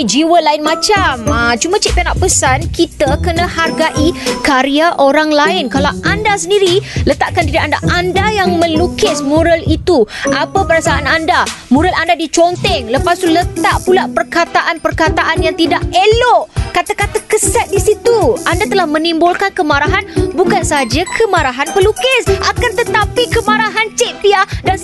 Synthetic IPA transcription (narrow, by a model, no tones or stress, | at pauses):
d͡ʒiwəlaɪnmãt͡ʃamət͡ʃumãt͡ʃɪʔ̚panaʔ̚pəsankit̪akənãharɡaʔikaɾiaʔoɾaŋlaɪnkalawʔandasəndiɾilət̪aʔkant̪iɾiʔandaʔandajaŋmə̃lukɪsmuɾəlit̪uʔapapəɾasaanandamuɾalandadit͡ʃɔnt̪ɛŋləpast̪ulət̪aʔpulaʔpərkat̪aʔanpərkat̪aʔanjaŋt̪idaʔelɔʔkat̪akat̪akəsat̪̚disit̪uʔandat̪əlahmə̃nimbolkankəmaɾaɦanbukansaad͡ʒakʰəmãɾaɦanpərlukɪsʔakant̪ət̪apikəmaɾaɦant͡ʃeʔ̚piadan